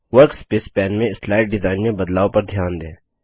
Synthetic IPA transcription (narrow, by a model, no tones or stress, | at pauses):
ʋɐɾkspeːspɛːnmẽɪslaːɪʈ̚ɖɪzaːɪnmẽbɐd̪laːopɐɾd̪ʱjaːnd̪ẽː